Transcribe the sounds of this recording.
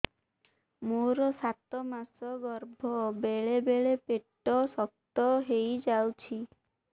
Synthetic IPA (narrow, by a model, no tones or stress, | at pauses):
moɾɔsat̪ɔmasɔɡɔɾbʱɔbeɭebeɭepeʈːɔsɔk̚t̪ɔɦejd͡ʒawt͡ʃʰi